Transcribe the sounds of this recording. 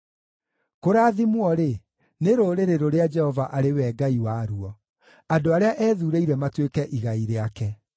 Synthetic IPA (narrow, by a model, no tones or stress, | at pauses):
koɾaːðimwɔɾe | neɾoɾeɾeɾoɾead͡ʒɛhɔvaʔaɾewɛːɡaiwaɾuɔ | adoaɾeaʔɛːðuɾeiɾɛmatwekɛʔiɣaiɾeakɛ